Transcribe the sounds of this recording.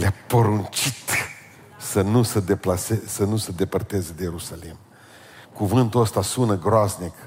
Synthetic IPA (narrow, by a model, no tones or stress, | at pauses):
leapəɾunt͡ʃit̪ | sənusəd̪eplasesənusəd̪e̞pərt̪e̞zəd̪ejeɾusalim | kuvɨnt̪uəst̪asunəɡɾoaznik